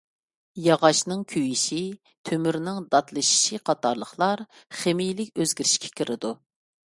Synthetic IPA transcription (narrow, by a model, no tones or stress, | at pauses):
jɑʁɑʃnɨŋkʲʰyjiʃi | t̪ʰømyɾnɪŋd̪ɑt̪lˠɨʃi̥ʃiqʰɑt̪ʰɑɾlˠəχlˠɑɾχemijlɪkʲøzɡʲiɾɪʃkʲʰɛ̥kʲʰiɾɪd̪u